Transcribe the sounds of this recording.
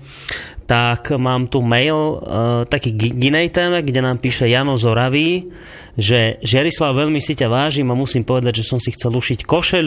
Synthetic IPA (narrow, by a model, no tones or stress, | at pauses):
t̪akmaːmt̪umɛjlt̪akiːɡɡinɛjt̪ɛːmɛɡɟɛnaːmpiːʃɛjaːnɔzɔɾaʋi | ʒɛʒɪaɾislaʊʋɛʎmisicaʋaːʒimamusiːmpɔʋɛd̪aɟʒɛsɔmsixt͡sɛluʃickɔʃɛl